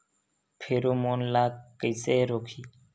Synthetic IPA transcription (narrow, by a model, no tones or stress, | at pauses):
pʰeːɾoːmoːnlaːkːəjseːɾoːkʰiː